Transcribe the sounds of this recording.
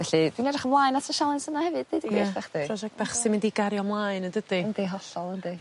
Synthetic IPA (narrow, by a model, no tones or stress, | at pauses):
vɛɬidwinɛdrɪχəmvlˠajnasʰəʃalˠɪnsənahɛvɨd̚edɡibɛχd̥irɔd͡ʒɛk̚t̚b̥ɛχsɪmɪndiɡaɾjɔmlˠaɨnəndəd̥iəndeɦɔɬɔlˠənde